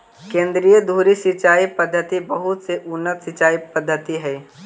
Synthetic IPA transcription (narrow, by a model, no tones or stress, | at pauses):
kẽːnd̪ɾijəd̪ʱuːɾisɪt͡ʃaːipəd̪ʱːət̪ibəɦʊt̪seʔʊnːət̪sɪt͡ʃaːipəd̪ʱːət̪iɦɛː